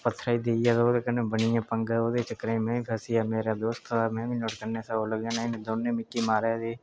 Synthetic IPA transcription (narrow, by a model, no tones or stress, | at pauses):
pət̪ʰːɾaːiːd̪eːjaːd̪oːd̪eːkənːẽːbəɳɪjãːpəŋɡaoːd̪eːt͡ʃəkɾaːĩːmɛ̃ːiːpʰɛsɪjaːmeːɾaːd̪oːst̪aːmɛ̃ːʋiːnoːʈkəɾnẽːsaoːləɡjãːnaɪneːd̪oːnːẽːmɪkːiːmaːɾeːd̪eː